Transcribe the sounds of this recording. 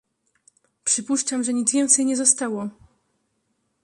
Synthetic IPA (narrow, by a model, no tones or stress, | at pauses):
pʂɘpuʂt͡ʂamʐɛɲid̪zvʲjɛnt̪sɛjɲɛzɔst̪awɔ